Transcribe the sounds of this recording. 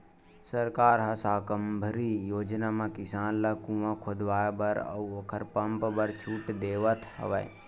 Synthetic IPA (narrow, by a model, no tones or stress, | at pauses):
səɾkaːɾɦɐsaːkəmbʱəɾijoːd͡ʒnamãkɪsaːnlakũʋãkʰod̪ʋaːjbəɾə̰woːkʰəɾpəmpbəɾt͡ʃʰuːʈd̪eːʋət̪ʰhə̰ʋɛ